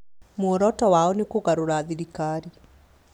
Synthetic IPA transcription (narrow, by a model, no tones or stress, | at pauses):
moɔɾɔtɔwaɔnekoɣaɾoɾaːðiɾikaːɾi